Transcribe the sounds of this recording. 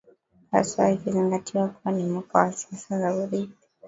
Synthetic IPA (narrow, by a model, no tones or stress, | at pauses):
ha̰saikiziŋɡatiwakuanimuka̰wasi̥asazauɾipi